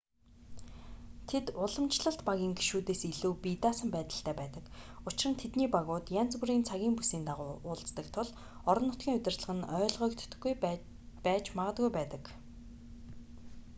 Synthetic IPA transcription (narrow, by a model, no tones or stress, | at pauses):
t̪ʰet̪ʊɮə̆mt͡ɕɮə̆ɬt̪paɣʲiːŋɡiʃuːt̪eːsiɮuːpit̪aːsə̆mpæːt̪ə̆ɬt̪ʰæːpæːt̪ə̆kʊt͡ɕɪrə̆nt̪ʰet̪niːpaɣʊːt̪jant͡sɡŭɾiːnt͡sʰaɣʲiːŋpusiːnt̪aʁʊːʊːɮt͡st̪ə̆kt̪ʰʊɮ | ɔɾɞ̆nːʊt̪̚ɡʲiːŋʊt̪ʲɪ̆rt̪ɮə̆ʁə̆nœːɮʁœːkt̪ɡuj | pæːt͡ɕmaʁə̆t̪̚ɡujpæːt̪ə̆k